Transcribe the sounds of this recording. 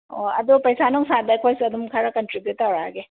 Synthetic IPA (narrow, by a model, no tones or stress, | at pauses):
oɐ̰dopɐjsanɔŋsadɐɐjkʰojsiɐdumkʰaɾɐkɐntɾibjutːawɾaɡe